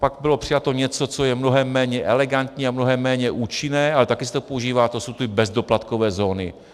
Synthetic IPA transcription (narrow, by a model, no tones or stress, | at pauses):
paɡbɪlo̞pr̥ɪjat̪o̞ɲɛt͡so̞t͡so̞jɛmno̞ɦɛmːɛːɲɛʔɛlɛɡant̪ɲiːamnoɦɛmːɛːɲɛʔuːt͡ʃɪnɛːʔalɛt̪akɪsɛt̪opouʒiːvaːt̪osowt̪ɪbɛzdo̞plat̪ko̞vɛːzo̞ːnɪ̰